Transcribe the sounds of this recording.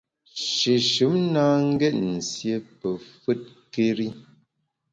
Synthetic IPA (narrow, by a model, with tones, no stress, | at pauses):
ʃe˨ʃɨ˨˦mnaː˦ŋ̩˦ɡɛ˦˨t̚n̩˨sje˦pə˨fɨ˦t̚ | ke˦ɾi˦